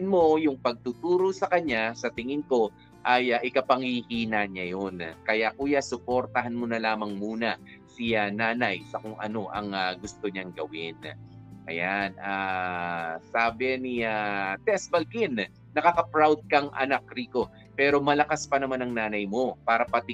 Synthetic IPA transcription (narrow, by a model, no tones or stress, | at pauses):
nmo̞jʊŋpɐɡ̚t̪ʊt̪uːɾo̞sɐkɐɲasɐt̪ɪŋɪnko̞ | ʔɐjaʔɪkɐpɐŋhihiːnaɲajo̞nkɐjakuːjasʊpo̞ɾt̪ɐɦanmonɐlaːmɐŋmuːnɐsianaːnɐjsɐkʊŋʔɐ̰no̞ʔɐŋaɡʊst̪o̞ɲaŋɡɐwɪnʔɐ̰janʔaː | saːbɛniat̪ɛsbɐlkɪn | nɐkakɐpɾawd̪̚kɐŋʔɐ̰nak̚ɾiːko̞ | pɛːɾo̞mɐlɐkaspɐnɐmanɐŋnaːnɐjmo̞paːɾɐpɐt̪ɪ